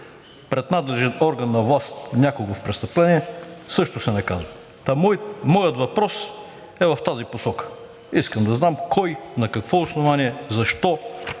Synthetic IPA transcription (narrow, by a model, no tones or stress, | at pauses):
pɾɛd̪nad̪lɛʒɛnɔɾɡɐnːɐvlˠast̪nʲakʊɡofpɾɛst̪əplɛniɛsɤʃt̪ʊsɛnɐkazvə | t̪ammɔjət̪vɐpɾɔs | ɛvɐft̪aziposɔkə̥ | iskəmd̪ɐznamkʰɔjnɐkɐkvɔosnovaniɛzɐʃt̪ɔ